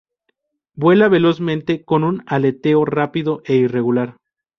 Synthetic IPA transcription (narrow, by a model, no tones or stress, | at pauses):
bwe̞laβe̞lo̞zmẽnt̪e̞ko̞nunale̞t̪e̞orapiðo̞ʔe̞ire̞ɣulaɾ